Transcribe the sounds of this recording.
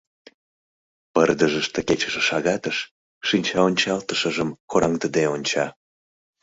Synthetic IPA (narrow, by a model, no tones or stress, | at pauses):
pərd̪əʒəʃt̪eket͡ɕəʃəʃɑɣɑt̪əʃː | inʲt͡ɕɑonʲt͡ɕɑlt̪əʃəʒəmkoɾʔɑŋt̪əd̪eonʲt͡ɕɑ